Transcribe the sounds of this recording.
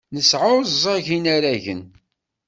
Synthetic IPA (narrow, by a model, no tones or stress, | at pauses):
nəsʕʊɾzˤɑʝinaɾæʝə̰n